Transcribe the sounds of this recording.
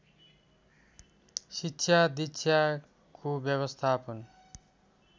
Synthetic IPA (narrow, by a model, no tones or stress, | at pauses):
sitːɕʰjad̪ija | kobjʌβʌst̪ʰapʌn